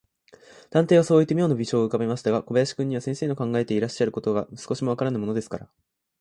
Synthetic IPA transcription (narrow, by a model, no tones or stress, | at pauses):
d̪̥ãnt̪eːβ̞aso̞ːit̪ːeijo̞ːnobʲiɕo̞ːɯ̟kabe̞maɕi̥t̪aɡako̞bejaɕi̥kɯ̟̃ɲ̟ːiβasẽ̞ɰ̃se̞ːno̞kãŋɡae̞t̪eiɾaɕːaɾɯ̟ko̞t̪o̞ɡasɨ̥koɕimo̞βakaɾanaimo̞no̞d̪e̞sɨ̥kaɾa̰